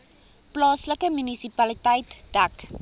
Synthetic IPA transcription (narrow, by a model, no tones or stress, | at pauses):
plɑːsləkəmynisipɐlitəjtd̥æk